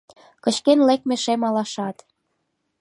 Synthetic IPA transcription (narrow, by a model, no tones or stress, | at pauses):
kɤ̆t͡ɕkenlek̚mĕʃemɑlɑʃɑt̪